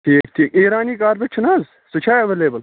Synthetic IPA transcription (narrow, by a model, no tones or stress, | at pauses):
ʈʰiːk̚tʰiːkeːɾaːniːkaːɾbet͡ʃʰunaːz | sut͡ʃʰaːjɐʋeːleːbɐl